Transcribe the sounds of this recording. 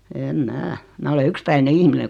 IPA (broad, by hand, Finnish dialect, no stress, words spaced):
eːm mæː mæː ole ykspæine ihmine